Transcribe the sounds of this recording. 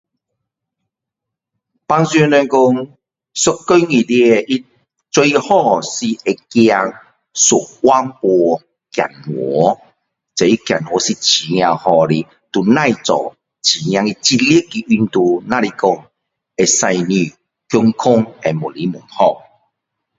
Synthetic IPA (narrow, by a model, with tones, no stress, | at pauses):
pa˧ŋsjnɛ˧nkɔ˧ŋ | sʊ˨˧kkːo˦ŋi˨˩di˧ʔi˦ | t͡swe˧jhɔ˦˧si˧e˧kja˧ŋ | su˨˩wa˦ŋpwɔ˧ | kja̰˨˩nŋwɔ˨˦ | t͡se˨i˦kja̰˨˩nŋwɔ˨˦si˧t͡ɕʰi˨˦ŋ̃˧ã˧hɔ˧ɾi˧˦ | t̪u˨˩nã˥˧jt͡sɔ̰˨˩ | t͡ɕʰi˨ŋj̃ã˧ŋi˧t͡ɕi˧t̚li˦ki˨ʔi˧nt̪u˧nã˦ɾi˧kɔ˧˩ŋ | e˧sa˧jnĩ˧˨ | kjɔ˧ŋkʰʊ˦ŋe˧˨mu˨˩li˨˦mṵ˨˩nhɔ˧